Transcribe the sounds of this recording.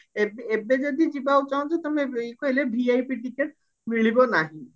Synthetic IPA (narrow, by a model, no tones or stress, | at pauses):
ebebed͡ʒɔd̪id͡ʒibaut͡ʃaw̃d͡ʒet̪ɔmeejkoɦilebʱiajpiʈikeʈ̚ | miɭibɔnaɦĩ